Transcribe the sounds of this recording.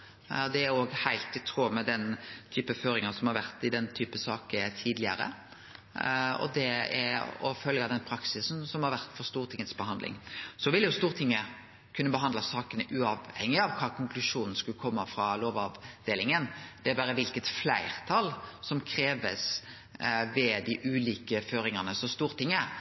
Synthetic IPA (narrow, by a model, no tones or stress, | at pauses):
d̪ɛæɾoːɡhæɪlt̪ɪt̪ʰɾuːmɛd̪ɛnt̪ʰyːpəføːɾɪŋəsɔmhɑɾʋæʁt̪ɪd̪ɛnt̪ʰyːpəsɑːkət̪ʰiːd̪lɪə̰ɾə̰ | ɔ̰d̪ɛɛɾɔ̰fœlɡɑd̪ɛnpʰɾɑksɪsn̩sɔmhɑɾʋæʁt̪fɔɾst̪uːɾt̪ʰɪŋːət̪sbəhɑnd̪lʔɪ̰ŋsɔʋɪlːjʊst̪uːɾt̪ʰɪŋːə | kʰʉnːəbəɦɑnd̪lɑsɑːkənəʔʉɑʋhɛŋːɪɑʋkʰɑːkʰʊŋklʉʂuːnn̩skʉlkʰɔmːəfɾɑloːʋɑʋd̪eːlɪŋənd̪ɛæɾbɑːɾəʋɪlkət̪flæɪɾt̪ʰɑlsɔmkʰɾeːʋə̰s | ʋɛd̪ɪʔʉːliːkəføːɾɪŋəʁnəsɔst̪uːɾt̪ʰɪŋːə